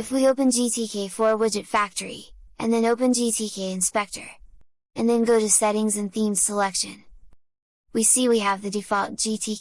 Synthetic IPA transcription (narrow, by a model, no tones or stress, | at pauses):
ɨfwioʊpɨ̃nd͡ʒitʰikʰeɪfɔɹwɪd͡ʒɨtfæk̚tʰə˞ḭʔɨ̰̃nðɨ̃noʊpɨ̃nd͡ʒitʰikʰeɪɨ̃nspɛk̚tʰə̰˞ | ɨ̃nðɨ̃nɡoʊɾɨsɛɾɪ̃ŋzɨ̃nθĩmz̥səlɛkʃɨ̰̃n | wisiwiɨvðɨdɨfɑlˠt̚d̥ʒ̥itʰi